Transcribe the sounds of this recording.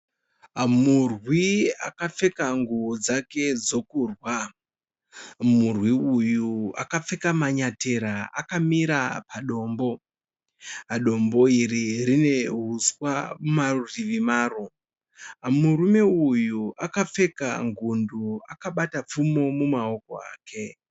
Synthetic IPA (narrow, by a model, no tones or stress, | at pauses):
amurwiakap͡fe̞kaŋɡuod͡zake̞d͡zo̞kuːrwa | murwiujua̰kap͡fe̞kamaɲate̞ɾaakamiɾapaɗo̞ːmbo̞ | ɦaɗo̞mbo̞iririne̞ɦuswamariʋimaːro̞ | amurume̞ujuakap͡fe̞ka̰ŋɡunduakaɓatap͡fumo̞mumao̞ko̞̰a̰ːkʰe̞